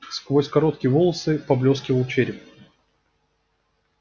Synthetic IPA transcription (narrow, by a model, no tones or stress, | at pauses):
skvosʲkɐɾo̞t̪kʲɪjəvolˠəsɨpɐblʲo̞skʲɪvəlˠt͡ɕeɾʲɪp